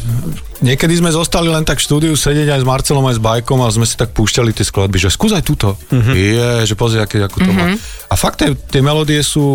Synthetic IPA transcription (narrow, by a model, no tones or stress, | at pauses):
ɲɪɛkɛd̪izmɛzɔst̪alilɛnt̪akfʃt̪uːd̪iusɛɟɛɟajzmaɾt͡sɛlɔmajzbajkɔmazmɛsi̥t̪ak̚puːʃcalit̪ɪɛsklad̪̚biʒɛskuːzajt̪uːt̪ɔ | ɛʒɛpɔzɾɛajkɛɟakɔt̪ɔaafak̚t̪ɛt̪ɪɛmɛlɔd̪iɛsuː